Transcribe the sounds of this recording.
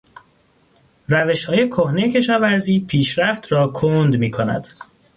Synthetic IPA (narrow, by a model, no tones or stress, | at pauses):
ræveʃhɒːje̞kʰohne̞jecʰe̞ʃɒːvæɾziːpʰiːʃɾæft̪ɾɒːkʰond̪miːkʰonæ̰d̪̥